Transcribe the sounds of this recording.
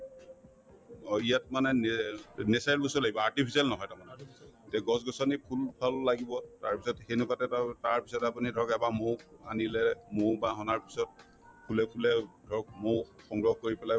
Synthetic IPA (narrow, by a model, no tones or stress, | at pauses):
ijatmanɛnnesajlbosɔlaɡibɔaɹtipʰisialnɔɦɔjtamanɔtɛɡɔsɡɔsɔnipʰulbʰʱalːaɡibɔtaɹpisɔtxenupatɛttaɹpi̥sɔtapunidʱɔɹkɛbamowanilɛmowbaɦɔnaɹpi̥sɔt̚ | pʰulɛpʰulɛdʱɔɹk̚mowxɔŋɡɹɔɦkoɹipɛlaj